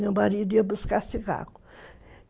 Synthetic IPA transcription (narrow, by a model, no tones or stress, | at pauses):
mewmaɾid̪ʊiɐbuskasiɡa̰ɡʊ̥